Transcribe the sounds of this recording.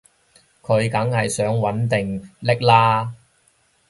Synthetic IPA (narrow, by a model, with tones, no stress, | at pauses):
kʰɵ˨˧ɥkɐ˨˥ŋhɐ˨jsœː˨˥ŋwɐ˨˥nt̪ɪ˨ŋlɪ˥k̚laː˥